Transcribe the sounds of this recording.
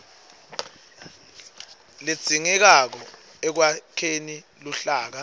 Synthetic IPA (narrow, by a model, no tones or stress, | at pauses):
le̥z̥ʱiŋɛk̬ak̬ɔɛk̬wakʰeniluɬaːk̬a